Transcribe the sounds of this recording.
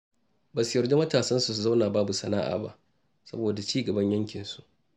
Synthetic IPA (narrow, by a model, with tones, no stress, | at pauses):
baː˨su˦jɐ˨rde˦mɐ˦taː˨sɐ˦nsu˨su˨za˦wnaː˨baː˦bu˨sɐ˨na̰ː˦ʔa̰ː˨ba̰˦ʔ | sɐ̰˦boː˨da˨t͡ʃiː˦ɡɐ˨bɐ˦ɲjɐ˦ŋkʲɪ˨nsu̥˦ʔ